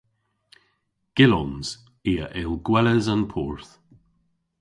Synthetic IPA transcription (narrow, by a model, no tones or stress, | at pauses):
ɡ̥ɪlɔnz̥ | iːəʔɪlɡ̥wɛləzanpʰɔːɹθ